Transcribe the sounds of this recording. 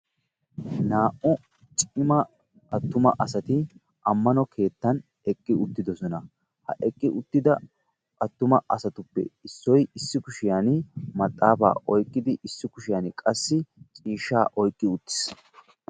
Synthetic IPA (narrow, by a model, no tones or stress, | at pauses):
naːʔʊ | t͡ʃʼɪmɐ | ʔɐt̪ːʊmɐ̰ʔɐsɐt̪ɪ | ʔɐmːɐnɔkʰe̞ːt̪ːɐn | ɛkʼːɪʊt̪ːɪd̪ɔsɔnɐ | hɐ̰ʔɛkʼːɪʔʊt̪ːɪd̪ɐ | ʔɐt̪ːʊmɐʔɐsɐt̪ʊpːɛ̰ɪsːɔjɪsːɪkʊʃɪjanmɐt̪ʼːaːfa̰ːʔɔjkʼːɪd̪ɪʔɪsːɪkʊʃɪjaːnɪkʼɐsːɪt͡ʃʼiːʃːaːʔɔjkʼːɪʊt̪ːɪ̥s